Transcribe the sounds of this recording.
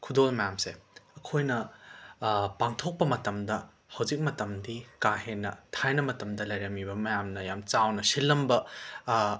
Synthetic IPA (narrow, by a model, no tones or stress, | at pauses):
kʰudolmɐjamseɐkʰojnɐ | paŋtʰok̚pɐmɐtɐmdɐ | hɐwzik̚mɐtɐmdikaɦenːɐtʰajnɐmɐtɐmdɐlɐjɾɐmibɐmɐjamnɐjamt͡ʃawnɐsilːɐmbɐ